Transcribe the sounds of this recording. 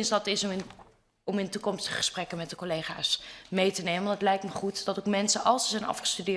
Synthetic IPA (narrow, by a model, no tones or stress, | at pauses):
nsdɑtɪs | ɔmɪntukɔmstəχəχə̥sprɛkənmɛt̚dəkolejχa̰ːsmejtənejmənətlɛjk̚tməχutdɑtokmɛnsəʔɑlˠsəzɛjnɑ̰fχə̥stydɪː